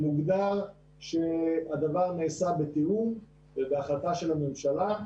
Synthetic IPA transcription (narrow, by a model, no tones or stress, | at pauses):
muɡd̪aʁ | ʃead̪avaʁneːsabet̪ium | ebeaχlat̪aʃe̞lamemʃala